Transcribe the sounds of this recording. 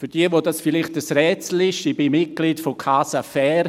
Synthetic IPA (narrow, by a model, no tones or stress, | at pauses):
fyɾd̥iəʋodɑsfɪlɪχtəsrɛːt͡sl̩ɪʃiːbimɪt̚ɡ̥liːtfokʰaːsafɛːɾ